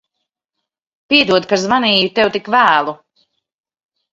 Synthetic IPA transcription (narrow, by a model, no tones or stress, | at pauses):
piɛd̪uɔd̪̚kazmaniːjut̪ɛwt̪ikvæːlˠu